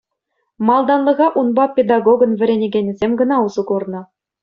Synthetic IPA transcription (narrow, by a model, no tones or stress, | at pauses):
mɑlˠd̪ɑnlˠɤ̆ʁɑʔunbɑpʲed̪ɑɡoɡɤ̆nvʲɘ̆ɾʲenʲeɡʲenʲĭzʲemʲɡɤ̆nɑuzɤ̆ɡurnɤ̆